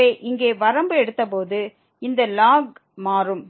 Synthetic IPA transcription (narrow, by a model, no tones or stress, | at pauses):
eːʔɪŋɡeːʋɐɾɐmbɯɛɽɯt̪ːɐp̬oːðɯ | ɪnd̪ɐlaːɡmaːɾɯm